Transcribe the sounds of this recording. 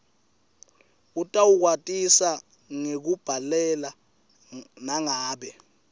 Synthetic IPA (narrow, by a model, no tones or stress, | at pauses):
utʼawuk̬watʼisa | ŋek̬ub̥ʱalɛla | naŋaːɓɛ